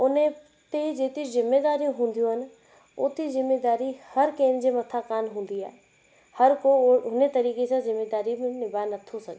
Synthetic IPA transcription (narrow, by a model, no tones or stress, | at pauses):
ʊn | t̪ed͡ʑeːt̪ezɪmːeːd̪aːɾijũɦũːn̆d̪ijũɦən̆ | ʊːt̪izɪmːeːd̪aːɾihɐɾkẽːnd͡ʑemɐt̪ʰaːkaːnɦũːn̆d̪ia̰ːɦe | hɐɾkoʊnet̪ɐɾiːkesãzɪmːeːd̪aːɾimẽnɪbaːnɐt̪ʰosɐɡ